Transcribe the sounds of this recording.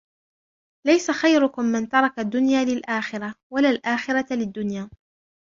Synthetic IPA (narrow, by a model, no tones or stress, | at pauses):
lajsaxajɾʊkʊmːɪnt̪ɑɾˤɑkad̪ːʊnjaːlɪlʔaːxɪɾawalaːlʔaːxɪɾalɪd̪ːʊnjaː